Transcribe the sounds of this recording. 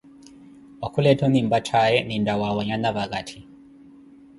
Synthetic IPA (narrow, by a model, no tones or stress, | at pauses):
wakulɛtɔnimbatʰaɛnindawawɔɲanaβaɡatʰi